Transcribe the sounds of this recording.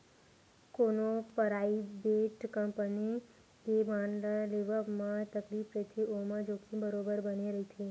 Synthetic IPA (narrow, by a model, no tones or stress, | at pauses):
konopəɾaibeʈkəmpəni | kebãɳɖəleʋəmãt̪əklipɾət̪ʰeʔomãd͡ʒokʰĩbəɾobəɾbəneɾəɦit̪ʰe